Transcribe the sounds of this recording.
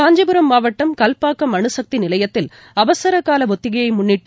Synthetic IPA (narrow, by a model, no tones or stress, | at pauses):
aːɲd͡ʒɐbɯɾɐmːaːʋɐʈːɐmkɐlpaːkːɐmɐɳɯsɐk̚t̪inɪlɐjɐt̪ːɪl | ɐʋɐsɐɾɐkːaːlɐʋɔt̪ːɪɣɐjɐɪmʊɳːɪʈːɯ